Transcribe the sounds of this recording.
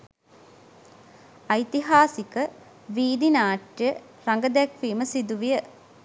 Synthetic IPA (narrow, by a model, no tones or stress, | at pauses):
ɐjt̪iɦaːsikə | ʋiːd̪inaːʈjə | raŋɡəd̪ækʋiːməsid̪uʋijə